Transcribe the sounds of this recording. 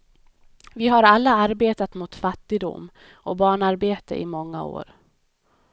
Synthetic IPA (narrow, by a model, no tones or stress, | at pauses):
vɪɦaɾalːaaɾbeːt̪at̪mʊt̪fat̪ːɪd̪ʊ̰mː | ʔɔbɑːɳaɾbeːt̪ə̰ʔɪ̰mɔŋːa̰o̰ːɾ